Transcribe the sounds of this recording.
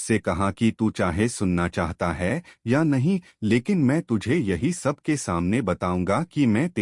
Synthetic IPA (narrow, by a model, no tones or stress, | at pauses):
sekɐɦakit̪ut͡ʃaːɦesʊnːat͡ʃaːɦt̪aɦɛːjanɐɦĩ | leːkɪnmɛ̃ːt̪ʊd͡ʒʱejɐɦisɐb̚ʱkesaːmnebɐt̪aːũːŋɡakimɛ̃ːt̪e